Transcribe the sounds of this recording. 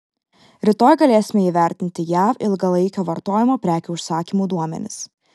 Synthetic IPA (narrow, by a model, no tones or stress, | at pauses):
ɾʲɪt̪oːjɡɐlʲeːsʲɪmʲɛiːʋʲæˑɾʲt̪ʲɪnʲt̪ʲɪjæːfɪlˠɡɐlˠɐɪkʲoːʋɐɾt̪oːjɪmoːpʲɾʲæːkʲuːʊʃsɑːkʲimuːd̪uɔmʲɛ̰nʲɪ̰s